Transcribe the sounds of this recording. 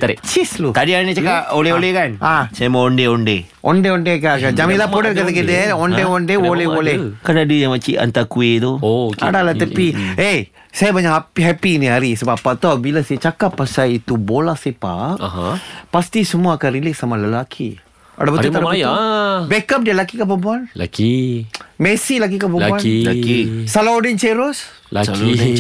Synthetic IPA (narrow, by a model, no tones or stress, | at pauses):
t̪aɾeʔt͡ʃislut̪adiaɽinit͡ʃakaoleolekanasajamaoɳɖeoɳɖe | ʔo̰ɳɖeoɳɖekakad͡ʒamĩlapoɖəɾkat̪eked̪eoɳɖeoɳɖeoleolekanadijaŋmat͡ʃiʔa̰nt̪akuet̪ua̰ɽalat̪əpie | sajabaɲaɦapɦɛpiniaɾisəbapːat̪oabilaset͡ʃakapːasajit̪ubolahsepa̰kɦpast̪isəmuaːkanɾilek̚samaləlakʰi | a̰dabət̪uadat̪bɛkap̚dialakikap̬əbuanaki | mɛsilaɡikapəuanaisalaodint͡ʃeɾos | a